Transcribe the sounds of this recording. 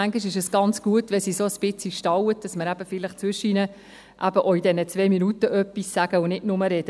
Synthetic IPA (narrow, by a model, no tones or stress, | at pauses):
æŋɡiʃɪʃəsɡ̥ɑnt͡sɡ̥uətʋɛlsisoəsb̥ɪt͡siʃtɑwət̚d̥ɑsməɾæb̥əfɪləχt͡svʏʃinə | ʔæbəʔoidɛnət͡sʋeːminutəʔœpːissæɡ̥əʊnɪdnʊməɾɛd̥ə